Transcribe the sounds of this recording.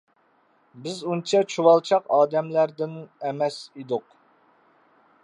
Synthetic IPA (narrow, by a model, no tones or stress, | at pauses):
bɪzunt͡ʃʰɛt͡ʃʰuwɑlˠt͡ʃʰɑqɑːd̪ɛmlæɾd̪ɪnɛmɛsid̪ʊq